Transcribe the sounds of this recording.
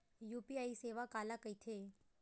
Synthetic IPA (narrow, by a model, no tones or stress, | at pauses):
jupiaiseʋakaːlakəjt̪ʰe